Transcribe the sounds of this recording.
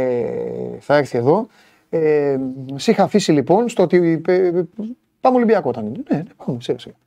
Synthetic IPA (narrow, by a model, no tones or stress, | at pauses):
e | θɐeɾθie̞ðo̞ | e | sixɐːfisilipo̞nst̪oot̪ie | pɐmolibiɐko̞t̪ɐninenenepɐmusixɐsixɐ